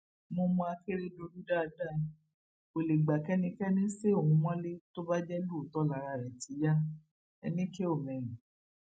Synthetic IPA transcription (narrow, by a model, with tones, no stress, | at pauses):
mo˧mɔ̃˧a˧ke˦ɾe˦do˧ɾu˦da˦a˧da˦˨ | o˨le˨ɡ͡ba˨kɛ˦nĩ˧kɛ˦nĩ˦se˦o˨hũ˨˧˦w̃ɔ̃˦le˦to˦ba˦d͡ʒɛ˦lu˦o˨tɔ˦la˨˦ɾa˧˨ɾɛ˨ti˨˦ja˦ | ɛ̰˧nĩ˦ke˦o˦˨mɛ̃˨ɾ̃ĩ˨